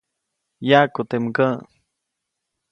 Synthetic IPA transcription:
jakut̪emkə̃

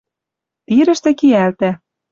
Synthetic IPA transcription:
t̪iɾɘ̆ʃt̪ɘ̆kijælt̪æ

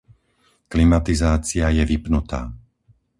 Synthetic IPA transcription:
klimat̪izaːt͡siajɛʋipnut̪a̰ː

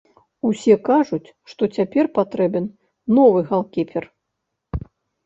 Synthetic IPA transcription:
usʲɛkaʐut͡sʲʂt̪ɔt͡sʲapʲɛrpat̪ɾɛbʲɛn | nːɔvɨɣalˠkʲipʲɛr

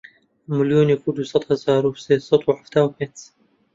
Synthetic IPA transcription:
mɪljoːnjɐkud̪usˤɑt̪ˤhazaːɾuseːsˤɑt̪wħaft̪aːwmet̪

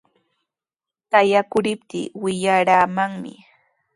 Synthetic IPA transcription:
tajakʊɾɪpt̪ɪ̰ːwɪʎaɾaːmaŋmɪ̰

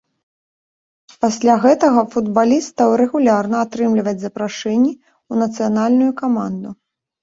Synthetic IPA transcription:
pasʲlʲaɣɛt̪ɐɣɐfud̪balʲist̪ɐwɾɛɣulʲarnɐːt̪ɾɨmlʲivɐd͡zʲzɐpɾaʂɛnʲːi | unɐt̪sɨjanalʲnujukamand̪u

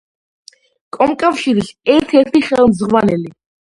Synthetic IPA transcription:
kʼɔmkʼafʃiɾisɛɾt̪ʰɛɾt̪ʰiχɛlˠmzʁwanɛli

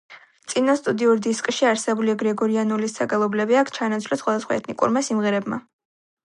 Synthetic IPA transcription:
t̪sʼinast̪ʼud̪iuɾd̪iskʼʃiaɾsɛbuliaɡɾɛɡɔɾianulisːaɡalˠɔblɛbiakʰt͡ʃʰanat̪sʰlɔsχwad̪asχwa̰ɛ̰t̪ʰnikʼṵɾmasimʁɛɾɛbma̰

